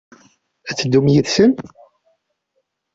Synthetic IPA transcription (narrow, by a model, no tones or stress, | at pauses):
æt͡sːd̪ːumjiðsəm